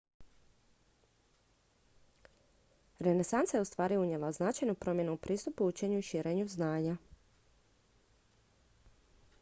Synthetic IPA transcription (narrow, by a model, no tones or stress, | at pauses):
ɾe̞ne̞sant̪sajeust̪ʋaːɾiuɲe̞laznat͡ʃajnupɾo̞mje̞nuupɾiːst̪upuut͡ʃe̞ɲuiʃiɾʔeːɲuznaːɲa